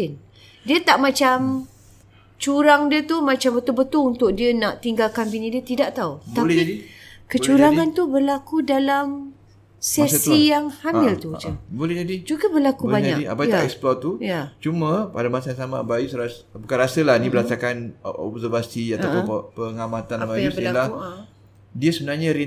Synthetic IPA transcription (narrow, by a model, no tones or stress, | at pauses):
ɪn | diət̪aʔmãt͡ʃam | t͡ʃuɾaŋdiət̪umãt͡ʃambət̪ʊlbət̪ʊlunt̪ʊk̚diənaʔt̪iŋɡalkanbinĩdiət̪idaʔt̪aualɛidikət͡ʃuɾaŋant̪ubərlakudalam | sɛssijaŋhammɪlt̪ut͡ʃəbolɛd͡ʒadid͡ʒuɡəbərlakubaɲakia̰pajt̪aʔɛksplɔt̪ujat͡ʃumə̃padamasajãŋsama̰bajusɾas | apəkaɾasəlahnĩbəɾasakanɔ̰bzərvasiat̪awppəŋamat̪anabajusnila | diəsəbənarɲaɾi